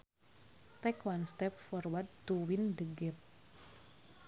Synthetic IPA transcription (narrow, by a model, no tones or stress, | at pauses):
t̪ɛkwanst̪ɛp̚fɔrwat̪̚d̪uwind̪əɡɛp̚